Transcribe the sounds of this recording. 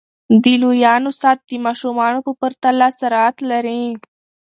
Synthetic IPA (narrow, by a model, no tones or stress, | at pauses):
d̪ilujɑnosɑt̪̚d̪əmɑʃumɑnopəpəɾt̪alɑsaɾɑat̪laɾi